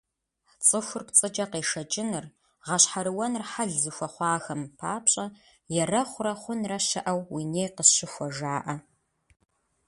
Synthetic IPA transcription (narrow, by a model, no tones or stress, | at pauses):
t͡sʼɨxʷʊrpt͡sʼɨd͡ʒʼɐqeːʂɐt͡ʃʼɪnɨr | ʁɐɕħaɾɨwɐnrħaɮzɨxʷɐχʷɑːxɐmpʰaːpɕʼɐ | jɛrɐχʷʊrɐχʷʊnrɐɕɐ̰ʔɐwwineːjqəɕɪxʷɔʒaːʔɐ